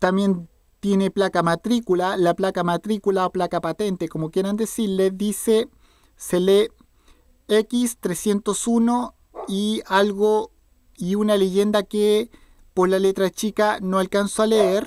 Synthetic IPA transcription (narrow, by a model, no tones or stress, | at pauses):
t̪amje̞n | t̪je̞ne̞plakamat̪ɾikulalaplakamat̪ɾikulaoplakapat̪e̞nt̪eko̞mokje̞ɾand̪e̞siɾle̞ðise̞ | se̞le̞ | ekist̪ɾesje̞nt̪o̞suno | ialɣo | iunale̞ʝe̞nd̪ake | poslale̞t̪ɾat͡ʃikanoalkansoaleeɾ